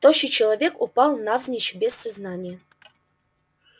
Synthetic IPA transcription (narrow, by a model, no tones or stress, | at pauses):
t̪oɕɪt͡ɕɪlˠɐvʲekʊpɑlˠnavzʲnʲɪt͡ɕbʲesːɐznanʲɪjə